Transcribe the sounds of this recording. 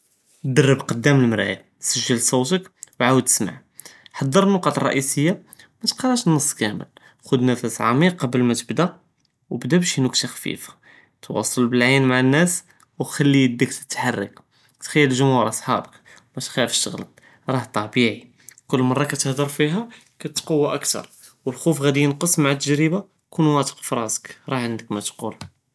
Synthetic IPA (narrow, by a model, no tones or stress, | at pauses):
d̪ərːəbqɑd̪ːæməlmɾæ̰j | səʒːəlsˤuwt̪əkwʕawəd̪̚t̪ə̥sma̰ʕ | ħɑd̪ˤːəɾˤənːoqɑt̪ˤrˤːɑ̰ʔisəjːa | mæt̪qɑrˤɑʃnɑsˤːkæmə̰l | xud̪næfæsʕɑ̰miqːɑbəlmæt̪əbd̪æ | wbd̪æbæʃinukt̪axfḭfḁ | t̪wɑ̰sˤːɑlbəlʕinmaʕanːæs | wxælːid̪ːəkt̪ə̥t̪ːħarˤːə̰k | t̪xæjːəlʒʊmhuɾˤʔɑsˤħɑ̰bək | mæt̪xæfʃə̰ɣl | ɾˤɑht̪ˤɑbiʕi | kʊlːmɑrˤːɑkæt̪əhd̪əɾˤfiɦæ | kæt̪ːqəwːaʔəkt̪ɑ̰ɾˤ | wəlxufɣæd̪ijənqəsˤmaʕat̪ːəʒɾəba | kunwæt̪ə̥qfɾˤɑzə̥kɾˤɑʕənd̪əkmæt̪qul